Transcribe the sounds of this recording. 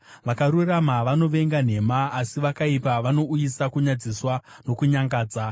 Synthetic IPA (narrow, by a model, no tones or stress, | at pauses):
ʋakaɾuramaʋano̞ʋe̞ŋɡan̤e̞maːsiʋakaipaʋano̞ujisakuɲad͡ziswa | no̞kuɲaŋɡaːd͡za